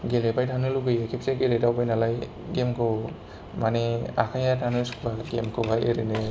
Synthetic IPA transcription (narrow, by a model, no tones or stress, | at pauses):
ɡelepʰajtʰanɯluɡɯjekʰip̚seɡeledawbajnalaj | ɡemkʰo | maneakʰajatʰanuskbaɡemkʰubʱajeɾene